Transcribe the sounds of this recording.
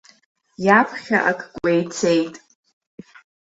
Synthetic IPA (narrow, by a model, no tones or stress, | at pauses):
japʰχʲa̰ʔakʼʰkʷʼejt͡sʰe̞jtʼ